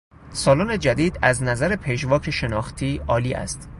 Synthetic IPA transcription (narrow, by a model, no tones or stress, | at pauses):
sɒːlɒːned͡ʒæd̪iːd̪æznæzæɾepʰeʃ̬vɒːcʰeʃe̞nɒːxt̪ʰiːɒːliːʔæ̰st̪